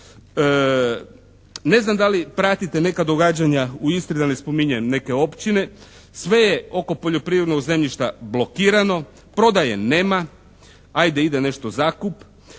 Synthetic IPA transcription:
ə | ne̞znamd̪alipɾat̪it̪e̞ne̞kad̪o̞ɡad͡ʑaɲauist̪ɾid̪ane̞spo̞miɲemne̞ke̞o̞pt͡ɕine̞ | sʋe̞jeo̞ko̞po̞ʎo̞pɾiʋɾed̪no̞ɡze̞mʎiʃt̪ablo̞kiːɾano̞ | pɾo̞d̪ajene̞ːma | ajd̪eid̪ene̞ʃt̪ozaːkup

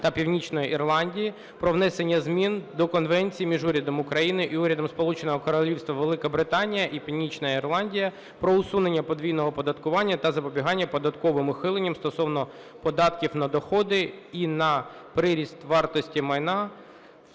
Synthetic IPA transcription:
t̪ɐpʲiwnʲit͡ʃnɔjiʔirlˠɑnʲdʲiji | pɾɔʋnɛsenʲːɐzmʲind̪ɔkɔnʋɛnʲt͡sʲijmʲiʒuɾʲɐd̪ɔmʊkɾɐjinɪʔiuɾʲɐd̪ɔmspɔlˠut͡ʃenɔɦɔkɔɾɔlʲiwst̪ʋɐʋelˠɪkɐbɾɪt̪ɑnʲijɐʔipʲiwnʲit͡ʃnɐirlˠɑnʲdʲijɐ | pɾɔʊsune̞nʲːɐpɔd̪ʲʋʲijnɔɦɔpɔd̪ɐt̪kʊʋɑnʲːɐt̪ɐzɐpɔbʲiɦɑnʲːɐpɔd̪ɐt̪kɔʋɪmʊxɪlˠenʲːɐmst̪ɔsɔwnɔ | pɔd̪ɑt̪kʲiwnɐd̪ɔxɔd̪ɪinɐpɾɪɾʲist̪ʋɑrt̪ɔsʲtʲimɐjnɑ

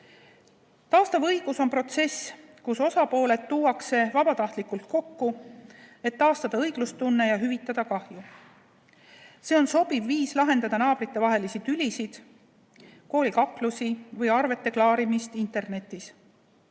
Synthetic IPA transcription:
t̪ɑːst̪ɑvɤjɡ̥uso̞npro̞t̪se̞s | kuso̞sɑpo̞ːle̞t̪ːuːwɑkse̞vɑb̥ɑt̪ɑht̪likːˑult̪̚ko̞kːu | e̞t̪ːɑːst̪ɑd̪̥ɑɤjɡ̥lust̪t̪unːe̞jɑɦyvit̪ːˑɑd̪̥ɑkɑhju | se̞o̞nso̞b̥ivːiːslɑɦe̞nd̪ɑd̪̥ɑnɑːb̥ɾit̪ːe̞vɑɦe̞lisid̪ylʲisid̪̥ | ko̞ːlikɑkˑlusivɤjɑrve̞t̪ːe̞klɑːɾimist̪int̪ˑe̞rne̞t̪ːˑis

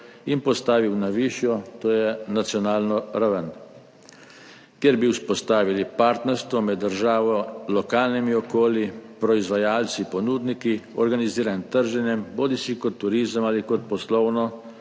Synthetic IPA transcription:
inpɔst̪aːʋiwnaʋiːʃjɔt̪oːjɛnat̪sjɔnaːlnɔɾaʋən | kjɛɾbiwspɔst̪aːʋilipaːɾt̪nɛɾst̪ʋɔmɛd̪ːəɾʒaːʋɔlɔkaːlnimiɔkoːlipɾɔizʋajaːlt̪sipɔnuːd̪niki | ɔɾɡaniziːɾant̪əɾʒɛnjɛmboːd̪isikɔt̪ːuɾiːzəmaːlikɔt̪̚pɔslɔwnɔ

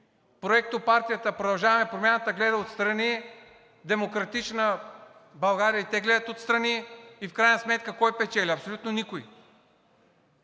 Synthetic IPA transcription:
pɾoɛk̚t̪opaɾt̪ijət̪əpɾod̪ɐlˠʒavɐmɛpɾomʲjanət̪əɡlɛd̪əot̪st̪ɾɐni | d̪ɛmokɾɐt̪it͡ʃnə | bɐlˠɡaɾijəit̪ɛɡlɛd̪ət̪ot̪st̪ɾɐniifkɾajnəsmɛt̪kəkɔjpɛt͡ʃɛlʲiɐpsolʲut̪nonikoi

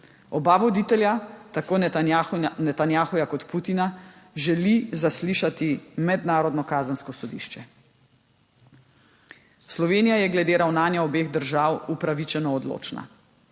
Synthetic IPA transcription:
ɔbaʋɔd̪it̪ɛljat̪akoː | nɛt̪anjaːxɔjakɔt̪put̪inaʒɛlizasliʃat̪imɛd̪naːɾɔd̪nɔkaːzənskɔsɔd̪ḭːʃt͡ʃɛ | slɔʋeːnijajɛɡlɛd̪eɾawnaːnjaɔbeːɣd̪əɾʒaːwupɾaʋit͡ʃɛnɔːd̪lo̰ːt͡ʃna̰

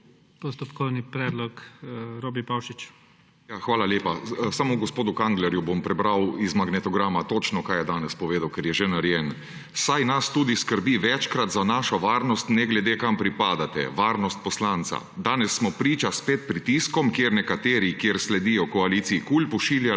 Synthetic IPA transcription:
pɔst̪ɔpkɔwnipɾɛːd̪lɔkɾoːbipawʃit͡ʃ | jaːxʋaːlaljeːpasamoɡɔspoːd̪ukaŋɡlɛɾjubompɾɛbɾawizmaɡnɛt̪ɔɡɾaːmat̪oːt͡ʃnɔkaːjɛd̪aːnɛspɔʋeːd̪awkɛɾjɛʒenaɾjɛn | sajnast̪uːd̪iskəɾbiʋɛt͡ʃkɾat̪zanaːʃɔʋaːɾnɔst̪nɛɡlɛd̪eːkampɾipaːd̪at̪ɛ̰ʋaːɾnɔst̪̚pɔslaːnt̪sa̰d̪aːnɛsːmɔpɾiːt͡ʃaspeːt̪̚pɾit̪iskɔmkjeːɾnɛkat̪eːɾikjeːɾslɛd̪ijɔkɔaliːt̪siikuːlpɔʃiːlja

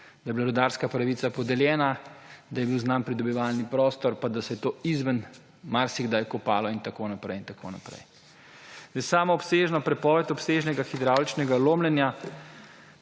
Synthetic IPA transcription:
d̪ajbilaɾɔd̪aɾskapɾaʋisapɔd̪ɛljɛːnad̪ajɛbiwznampɾid̪ɔbiʋaːlnipɾɔːst̪ɔɾpad̪asɛjɛt̪oːizʋən | maɾsiɡd̪ajkɔpaːlɔint̪akoːnapɾɛjint̪ako̰ːna̰pɾɛ̰j | z̥d̪ɛjsaːmɔɔpseːʒnɔpɾɛpɔːʋɛt̪ɔpseʒnɛɡaxid̪ɾawlit͡ʃnɛɡaloːmlɛnja

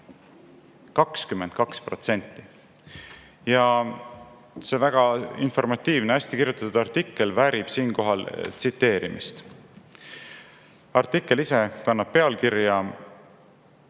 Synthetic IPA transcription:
kɑkskymːend̪̚kɑkspro̞t̪se̞nʲt̪ˑːi | jɑ | se̞væɡ̥ɑinfo̞rmɑt̪ːiːvneæsʲt̪ikirjut̪ːˑɑt̪ːud̪̥ɑrt̪ikːe̞lvæɾib̥siːnko̞ɦɑlt̪sit̪ːe̞ːɾimḭst̪ | ɑrt̪ːˑikːˑe̞lise̞kɑnːɑb̥̚pe̞ɑlkiɾjɑ

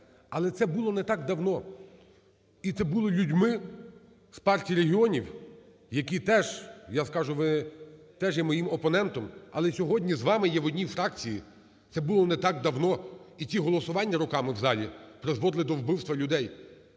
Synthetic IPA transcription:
ɐlˠɛt̪sɛbulˠɔnɛt̪ɑɡd̪ɐwnɔ | it̪sɛbulˠɪlʲudʲmɪ | spɑrtʲijɾeɦʲiɔnʲiw | jɐkʲit̪ɛʒjaskɑʒʊʋɪ | t̪ɛʒjɛmɔjimɔpɔnɛnt̪ɔmɐlˠɛsʲɔɦɔdʲnʲizʋɑmɪjɛʋɔdʲnʲifɾɑkt͡sʲiji | t̪sɛbʊlˠɔnɛt̪ɑɡd̪ɐwnɔitʲiɦɔlˠɔsʊʋɑnʲːɐɾɔkɑmɪwzɑlʲipɾezʋɔd̪lˠɪd̪ɔwbɪwst̪ʋɐlʲʊd̪ɛj

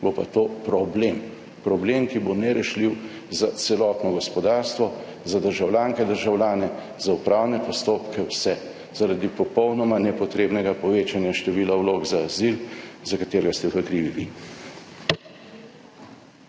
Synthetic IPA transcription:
bopa̰t̪oːpɾɔbleːm | pɾɔbleːmkibonɛɾɛʃliw | zat̪sɛlɔt̪nɔɡɔspɔd̪aɾst̪ʋɔ | zad̪əɾʒawlʲjaːŋkɛd̪əɾʒawlʲjaːnɛ | zaupɾawnɛpɔst̪oːpkɛwsɛ | zaɾad̪ipɔpɔwnɔmanɛpɔt̪ɾeːbnɛɡapɔʋeːt͡ʃanjaʃt̪ɛʋiːlawloɡzaːzilzakat̪eːɾɛɡast̪ɛwvəkɾiːʋiʋḭ

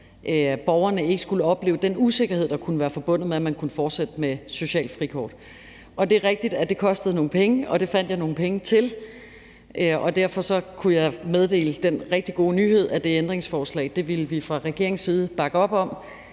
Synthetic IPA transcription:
ʔb̥ɒʊɐnəe̝ɡ̥əsɡ̥uləɒ̽b̥le̝ːʊd̥enuse̝ɡ̥ɐhe̝ð̞̰ˠd̥ɑ̈kʰunəʋæːɐfɒ̽b̥ɔ̽n̰ð̩ˠmeæmænkʰunəfɒːd̥sed̥əmeso̝ɕɛ̰ːl̥fʁikʰɒ̰ːd̥ | ʔɒ̽d̥e̝ʁeɡ̥̚d̥id̥æd̥e̝kʰɒ̽sd̥əð̞̩ˠno̝ːn̩pʰeŋəɒ̽d̥e̝fæn̰d̥jɑ̈ɪno̝ːn̩pʰeŋət͡sʰe̝l | ʔɒ̽d̥æɐ̰fɒ̽sɒ̽kʰujɑ̈ɪmeð̞ˠd̥e̝̰ːləd̥enʁɛɡ̥̚d̥iɡ̥o̝ːnyːhe̝ð̞̰ˠæd̥e̝end̥ʁeŋsfɒːslɛ̰ɪd̥e̝ʋiləʋifʁɑ̈ʁɛɡ̥e̝ɐ̰eŋsiːð̞̩ˠb̥ɑ̈ɡ̥əɒ̽b̥ɒ̽m̰

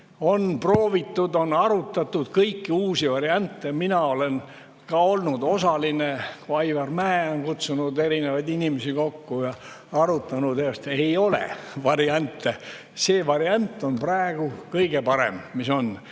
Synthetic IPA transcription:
o̞npro̞ːvit̪ːud̪o̞nɑɾut̪ːˑɑt̪ːud̪̥kɤjkːiuːsivɑɾiɑnʲt̪ːeminɑo̞le̞n | kɑo̞lnud̪o̞sɑlinekuɑjvɑrmæːonkut̪sunud̪e̞ɾinevɑjd̪inʲimesiko̞kːujɑ | ɑɾut̪ːˑɑnud̪est̪ejo̞lḛvɑɾiɑnʲt̪ːˑe | se̞ːvɑɾiɑnʲt̪ːˑo̞npræːeɡ̥ukɤjɡe̞pɑɾḛmmiso̞n

